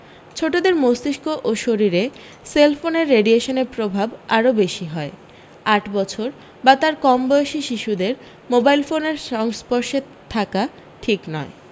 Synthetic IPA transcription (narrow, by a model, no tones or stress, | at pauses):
t͡ɕʰoʈod̪eɾmost̪iʃkoʔoʃoɾiɾe | selfoneɾːeɖieʃoneɾpɾobʱabaɾobeʃiɦɔe | aʈbɔt͡ɕʰoɾ | bat̪aɾkɔmbɔjeʃiʃiʃud̪eɾ | mobajlfoneɾʃɔŋspɔɾʃe | t̪ʰːaka | ʈʰiknɔe